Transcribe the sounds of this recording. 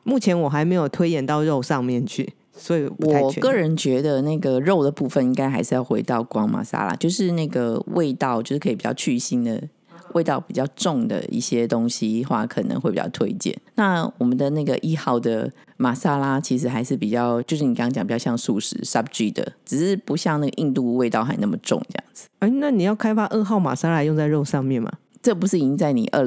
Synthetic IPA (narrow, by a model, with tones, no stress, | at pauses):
mu˥˩t͡ɕʰjɛ˧˥nwɔ˨˩xa˧˥ɪme˧˥ɪjo˨˩ʊt̪ʰwe˥ɪjɛ˨˩nt̪ɑ˥˧ʊɻo˥˧ʊʂɑ˥˧ŋmjɛ˥˨nt͡ɕʰy˥˩ | swɔ˧˥i˨pwu˦wɔ˥˩˨kɤ˥˩ɻə˧˥nt͡ɕɥɛ˧˥d̪ə˧na˥˩ɡə˩ɻo˥˩ʊd̪ə˩pu˥˩fə˨ni˦˥ŋka˥ɪxa˧˥ɪʂɻ̩˥˧jɑ˥˩ʊxwe˧˥ɪt̪ɑ˥˩ʊkwɑ˥ŋma̰˨˩sa̰˥la̰˦˥t͡ɕjo˥˧ʊʂɻ̩˥˧na˥˩ɡə˩wʔḛ˥˧ɪt̪ɑ˥˧ʊt͡ɕjo˥˧ʊʂɻ̩˥kʰi˨˩pi˨˩t͡ɕjɑ̰˥˧ʊt͡ɕʰy˥˩˧ɕi˥nd̪ə̰˨˩ | wʔḛ˥˧ɪt̪ɑ˥˩ʊpi˨˩t͡ɕjɑ˥˧ʊʈ͡ʂʊ˥˩ŋd̪ə̰˩ḭ˥˩ɕjɛ˥t̪o˥ŋɕi˧˥xwa̰˥˩kʰɤ˨˩nə̰˧ŋxe˥˩pi˨˩t͡ɕɑ̰˥˧ʊt̪ʰwḛ˥ɪt͡ɕjɛ̰˥˩˨nna˥˩wɔ˨˩mə˨˦nd̪ə˨na˥˩ɡə˩ʔi˥˧xɑ˥˩ʊd̪ə˩ | ma˨˩sa˥la˦t͡ɕʰi˧˥ʂ̬ɻ̩˧˥xa˧˥ɪʂɻ̩˥˩pi˨˩t͡ɕjɑ˥˩ʊt͡ɕjo˥˧ʊʂ̬ɻ̩˥˩ni˨kŋt͡ɕŋpi˩jɑ˥˧jɑ˥˧ŋsu˥˩ʂɻ̩̰˨˥sa˥p̚ʈ͡ʂi˥˩d̪ə̰˩ʈ͡ʂɻ̩˨˩ʂɻ̩˥˩pu˧˦˥ɕjɑ˥˧ŋna˥˩ɡə˩ʔi˥˧nt̪u˥˧we˥˧ɪt̪ɑ˥˩ʊxa˧˥ɪna˥˩mə˩ʈ͡ʂʊ̰˥˨ŋʈ͡ʂə˥˧jɑ̰˥˩ŋd͡zɹ̩˨˧˥na˥˩ni˨jɑ˥˩ʊkʰa˥ɪfa˥ʔə˥˧xɑ˥˩ʊma̰˨˩sa˥la˧˥jo˥˧ŋt͡sa˥˧ɪɻo˥˧ʊʂɑ˥˧ŋmjɛ˥˨nma̰˨˩ | ʈ͡ʂə˥˩pu˧˥ʂɻ̩˥˩i˧˥ŋt͡sa˥˩ɪnḭ˨˩ʔə˥˧˩